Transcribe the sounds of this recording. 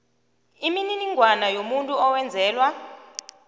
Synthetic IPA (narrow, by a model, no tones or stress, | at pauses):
imininiŋʱwanajomuntʼuɔwɛnd͡zʱɛːlwa